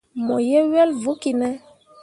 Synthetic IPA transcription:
mɔ˨jɛ˦ɥɛ˦lvu˦ki˨nɛ˦

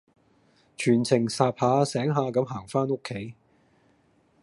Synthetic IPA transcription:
t͡ʃʰyː˨˩nt͡sʰɪ˨˩ŋsaː˧p̚haː˨˧sɛː˨˥ŋɦaː˨˧kɐ˨˧˥mɦaː˨˩ŋfaː˥no˥kʰːe˨˥j

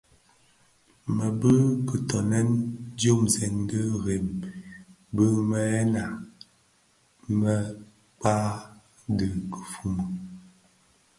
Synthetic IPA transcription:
mə˨bə˦kə˨tɔ˨nɛ˦nd͡ʒo˦mzɛ˨nɡə˦ɣe˨m | bə˦mə˦ɛ˦na˨ | mə˦ | k͡pa˦ | də˨kə˨fu˨mə˨

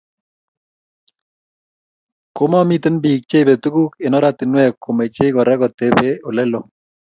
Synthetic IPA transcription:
ko˦mɔ˦mi˦t̪ɪ˦nbi˨k̚t͡ʃe˦be˨t̪u˦ɡu˦ke˨nɔ˦ɾa˦t̪ɪ˨nwɛ˦kːo˨me˨t͡ʃe˦ɡɔ˨ɾɛ˦ɡɔ˨t̪e˦be˦o˨lɛ˦lo˨

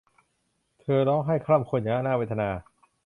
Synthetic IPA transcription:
t̪ʰɤː˧lɔː˦˥ŋɦa˥˩jkʰɾa˥˩mkʰo˧njaː˨˩a˧˥˩naː˥˩we˦˥t̪ʰa˧naː˧

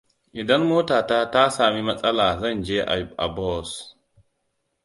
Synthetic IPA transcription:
i˨da˦nmo˦ta˨ta˦ta˦sa˨mi˦ma˦t͡sʼa˦la˨za˦nd͡ʒe˦ʔa̰˨jba̰˨bo˦˨s

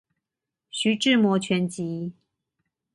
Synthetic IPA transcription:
ɕy˧˥ʈ͡ʂɻ̩˥˨mwɔ˧˥t͡ɕʰɥɛ˧˥nt͡ɕi˨˥

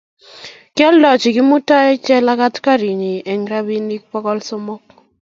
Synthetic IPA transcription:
kɪ˦ɔ˦ldɔ˨t͡ʃɪ˨ɡi˦mu˦ta˦ɛ˦t͡ʃɛ˦la˦ka˦tka˦ɾi˨ni˨ɛ˨ŋɾa˦bi˦ni˦k̚pɔ˦kɔ˦lsɔ˦mɔ˦k

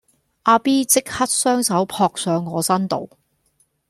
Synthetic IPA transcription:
ʔaː˧piː˥t͡sɪ˥k̚hɐ˥t̚sœː˥ŋsɐ˨˥wpʰɔː˧k̚sœː˨˧ŋːɔː˨˧sɐ˥nt̪o̰˨w

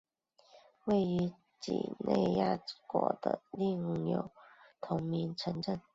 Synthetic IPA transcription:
we˥˩ɪy˧˥ | t͡ɕḭ˨˩ne˥˧ɪja̰˥˩˨kwɔ˨˧˥d̪̥ə̰˧li˥˧ŋ˨˩jo˨˩ʊt̪ʰʊ˧˥ŋmi˧˥ŋʈ͡ʂʰə˧˥ŋʈ͡ʂə˥˩n

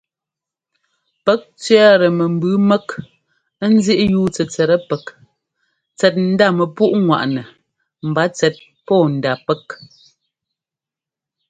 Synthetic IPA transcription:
pɛ˦k̚t͡sɥɛ˦ɾə˨mə˨m̩˨bʉ˨˦mɛ˦k | n̩˦zi˦ʔjuː˦t͡sɛ˨t͡sɛ˨ɾə˦pɛ˨k | t͡sɛ˨t̚n̩˦da˦˨mə˨pu˦ʔŋwa̰˨ʔnə˨ | m̩˨ba˨˦t͡sɛ˨t̚ | pɔː˦˨n̩˨da˨pɛ˦k̚

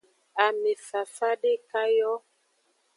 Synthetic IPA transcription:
a˨me˨fa˨fa˦ɗe˦˨ka˦jɔ˦

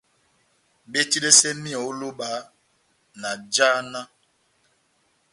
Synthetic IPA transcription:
be˦ti˦ɾe˦sɛ˦mĩ˦ɔ˨o˦lo˦ɓa˨˦ | na˨d͡ʒaː˦nã˦

